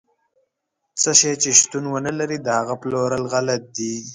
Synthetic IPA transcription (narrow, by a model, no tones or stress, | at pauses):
t͡səʃet͡ʃeʃt̪unwənəlaɾid̪əhaɣaploɾəlɣalat̪̚d̪i